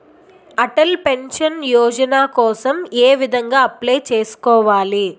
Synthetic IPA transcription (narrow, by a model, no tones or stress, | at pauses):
ɐʈɐlpe̞nʂɐnjɔːd͡ʒɐnaːkɔːsɐmeːʋid̪ʱɐŋɡaːɐplejt͡ʃe̞ːsu̥kɔːʋaːli